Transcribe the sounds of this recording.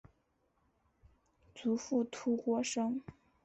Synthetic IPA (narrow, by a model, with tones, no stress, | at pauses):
t͡su˧˥fu˥˩t̪ʰu˥kwɔ˥ʂɤ˥ŋ